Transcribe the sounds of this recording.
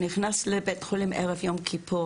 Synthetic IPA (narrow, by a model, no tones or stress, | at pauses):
niχnaslebetχolimʔḛʁɛvjomkʰipʰu